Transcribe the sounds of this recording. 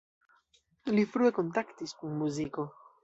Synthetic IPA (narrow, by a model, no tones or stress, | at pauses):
lifɾue̞ko̞ntaktiskunmuziko̞